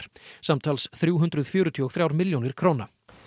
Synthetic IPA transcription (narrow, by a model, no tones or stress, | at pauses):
ɾ̥samt̪ʰaːlsθɾjuːɦʏnd̪ɾʏðfjʏːɾʏt̪ʰiɔɣθɾjaːwɾmɪljownɪɾ̥kʰɾoːwna